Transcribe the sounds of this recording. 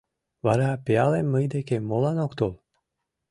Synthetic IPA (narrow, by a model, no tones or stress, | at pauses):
vaɾəapealemmːɨjd̪ekemolˠanokt̪olˠ